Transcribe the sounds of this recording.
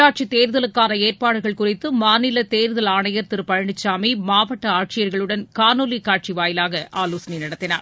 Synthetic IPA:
aːʈ̚t͡ʃit̪eːɾðɐlɯkːaːnɐeːrpaːɽɯɣɐɭkʊrɪt̪ːɯmaːnɪlɐt̪eːɾɯðɐlaːɳɐjɐɾt̪ɪɾɯpɐɻɐɳɪt͡ʃːaːmimaːʋɐʈːɐaːʈt͡ʃɪjɐɾɣɐɭɯɽɐnkaːnoːlikaːʈ̚t͡ʃiʋaːjɪlaːɣɐʔaːloːsɐninɐɽɐt̪ːɪna̰ːɾ

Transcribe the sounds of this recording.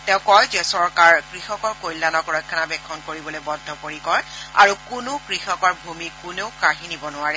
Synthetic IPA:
tɛʊ̃kɔjzɛsɔɹkaɹkɹixɔkɔɹkojlːanɔkɹɔjkʰːanabɛkʰːɔnkoɹibɔlojbɔdʱːɔpoɹikɔɹa̰ɹukʊnʊkɹixɔkɔɹbʱumikʊneʊkaɦinibɔnʊaɹɛ

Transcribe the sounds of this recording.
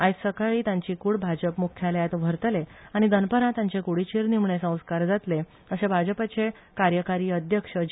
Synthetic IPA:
ajsəkaɭiːt̪jãɲt͡ɕiːkuːɽbʱad͡ʑəpmukʰjaljat̪ʋ̤ʱəɾt̪leaɽ̃id̪ənpəɾãt̪jãɲt͡ɕekuɽiːt͡ɕʰeɾnimɳesə̃w̃skaɾd͡zat̪le | əɕebʱad͡ʑəpat͡ɕe | kaɾjəkaɾiːəd̪ʱjəkʂə

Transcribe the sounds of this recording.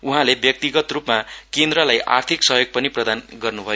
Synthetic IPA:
uɦãlebjʌk̚t̪iɡʌt̪rupmakend̪ɾʌlajʔa̰rt̪ʰiksʌɦjoɡ̚pʌniprʌd̪anɡʌrnubʱʌjo

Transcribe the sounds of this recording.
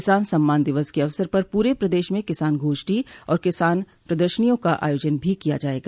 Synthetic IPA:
ɪsaːnsɐmːaːnd̪ɪʋəskeɐʋsəɾpɐɾpuːɾepɾɐd̪eːʃmẽkɪsaːnɡʱoːʃʈiɔ̰ːɾkɪsaːn | pɾɐd̪əɾʃənijõkaʔa̰ːjoːd͡ʒənbʱikija̰d͡ʒaːeːɡaː

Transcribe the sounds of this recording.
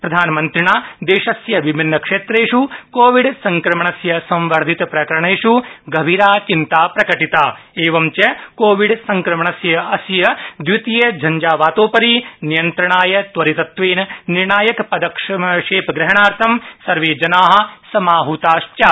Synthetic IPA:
pɾɐd̪ʱaːnɐmɐnt̪ɾiɳaːd̪eːʃɐsjɐʋibʱinːɐkʂeːt̪ɾeːʂukoːʋiɖsɐŋkɾɐmɐɳɐsjɐsɐ̃mʋɐɾd̪ʱit̪ɐpɾɐkɐɾɐɳeːʂuɡɐbʱiːɾaːt͡ʃint̪aːpɾɐkɐʈit̪aːeːʋɐmt͡ʃɐkoːʋiɖsɐŋkɾɐmɐɳɐsjɐɐsjɐd̪ʋut̪ijɐd͡ʒʱɐɲd͡ʒaːʋaːt̪oːpɐɾiːnijɐnt̪ɾɐɳaːjɐt̪ʋɐɾit̪ɐt̪ʋeːnɐniɾɳaːjɐkpɐd̪ɐkʂɐʂeːpɡɾɐɦɐɳaːɾt̪ʰɐmsɐɾʋeːd͡ʒɐnaːɦɐ̆sɐmaːɦut̪aːʃt͡ʃa

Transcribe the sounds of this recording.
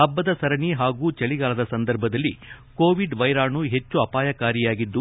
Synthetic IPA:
ɐbːɐd̪ɐsɐɾɐniɦaːɡuːt͡ʃɐɭiɡaːlɐd̪ɐsɐnd̪ɐɾbʱɐd̪ɐlːḭ | ko̞ːʋiɖʋɐjɾaːɳuɦet͡ʃːuɐpaːjɐkaːɾijaːɡid̪ːu

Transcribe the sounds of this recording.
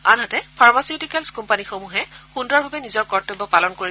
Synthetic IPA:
a̰nɦatɛpʰaɹmasiutikɛlskumpanixomuɦɛxundɹɔɹbʱabɛnizɔɹkɔɹtːobɔpalɔnkoɹi

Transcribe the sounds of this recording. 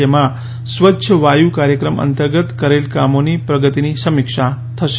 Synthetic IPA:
ema | sʋətːɕʰəʋajuːkaɾjəkɾəmə̰nt̪əɾɡət̪kəɾelkamoniːpɾəɡət̪iniːsəmikʂa | t̪ʰəʃ

